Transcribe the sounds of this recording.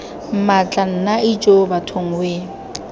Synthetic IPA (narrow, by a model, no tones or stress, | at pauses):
m̩mat͡ɬʼan̩nait͡ʃʼobatʰoŋ̩weː